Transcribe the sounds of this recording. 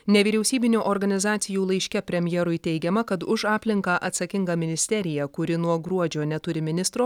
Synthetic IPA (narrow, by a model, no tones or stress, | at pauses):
nʲɛʋʲiːɾʲɛʊsʲiːbʲɪnʲuːʔɔɾɡɐnʲɪzɑːt̪sʲɪjuːlˠɐɪʃʲkʲɛpʲɾʲɛmʲjɛɾʊɪt̪ʲɛɪɡʲɛmɐkɐt̪ʊʃɑːpʲlʲɪŋkɑːʔɐt̪sɐkʲɪŋɡɐmʲɪnʲɪsʲt̪ʲɛɾʲɪjɛkʊɾʲɪnuɔɡɾuɔd͡ʒʲoːnʲɛt̪ʊɾʲɪmʲɪnʲɪst̪ɾoː